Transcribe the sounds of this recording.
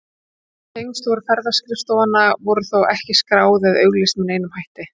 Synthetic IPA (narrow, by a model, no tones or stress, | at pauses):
θejŋst̪wɔɾʏfɛɾðaskɾɪfst̪owvanːavɔɾʏθowʔɛhcɪskɾaːwðɛðœ̰ɥɣlɪst̪mɪneːjnʏmhajht̪ɪ